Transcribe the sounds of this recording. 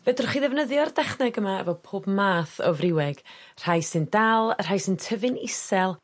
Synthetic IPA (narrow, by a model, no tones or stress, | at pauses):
vɛdɔrχiðɛvnəðjɔrdɛχnɛɡəmaɛ̰vɔpʰoːbmaːθɔ̰vrɪwɛɡ̥ | r̥ajsɨndalˠr̥ajsɨntʰəvɨnɪsɛlˠ